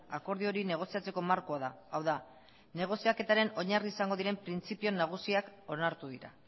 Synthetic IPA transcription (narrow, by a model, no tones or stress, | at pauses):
ako̞ɾð̞io̞ɾine̞ɣ̞o̞siat͡se̞ko̞maɾko̞aðaawða | ne̞ɣ̞o̞siake̞t̪aɾe̞no̞ɲariːsaŋɡo̞ðiɾe̞mpɾint͡sipio̞naɣ̞usiako̞naɾt̪uðiɾa̰